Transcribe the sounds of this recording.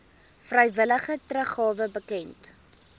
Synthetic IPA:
frəjvələχətrəχːɑːvəbəkɛnt

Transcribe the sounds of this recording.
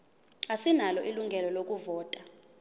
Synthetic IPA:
asinalɔʔiluŋɡʱɛlɔlok̬ʼuvɔːtʼa

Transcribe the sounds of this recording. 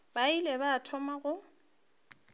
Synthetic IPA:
bailɛbaːtʰɔmaɣʊ

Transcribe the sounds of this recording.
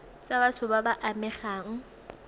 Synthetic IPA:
t͡sʼabat͡sʰʊbabaʔamɛχaːŋ̩

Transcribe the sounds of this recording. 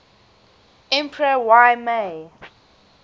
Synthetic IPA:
ɛ̃mpʰɹəwajme

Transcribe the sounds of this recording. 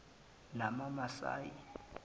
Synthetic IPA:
namamasa̰ːjḭ

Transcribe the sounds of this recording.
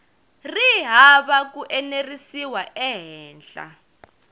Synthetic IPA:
riɦaβak̬uʔɛnerisiwaʔɛɦɛːnɬʼa̰

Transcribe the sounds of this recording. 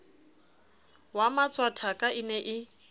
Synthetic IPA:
wamat͡sʼwatʰakʼaʔɪnɛʔɪ

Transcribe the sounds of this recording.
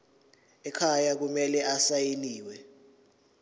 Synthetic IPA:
ɛkʰajak̬umɛlɛasajeliːwɛ

